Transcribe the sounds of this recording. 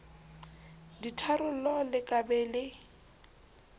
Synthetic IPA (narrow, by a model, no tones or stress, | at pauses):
ditʰaɾʊlɔlɪkʼabɛlɪ